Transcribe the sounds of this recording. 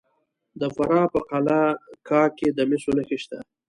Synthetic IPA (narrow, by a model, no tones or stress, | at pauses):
d̪əfaɾɑpəqalakɑːked̪əmɪsonəxeʃt̪a